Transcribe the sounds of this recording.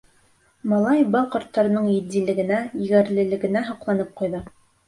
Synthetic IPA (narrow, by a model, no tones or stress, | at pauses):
mɑlˠɑjbɑlˠqɑ̆ɾt̪ːɑɾɤ̆nɤɴjɘ̆d̪ilɘ̆ɡɘ̆næɘ̆ɡɘ̆ɾlɘ̆lɘ̆ɡɘ̆næɦɑ̆qlˠɑnɤp̚qujðɤ